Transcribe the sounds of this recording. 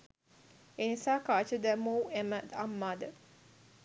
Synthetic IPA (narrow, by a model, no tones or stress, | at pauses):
enisaːkaːt͡ʃəd̪ɐmuːeməd̪ɐmːaːd̪ə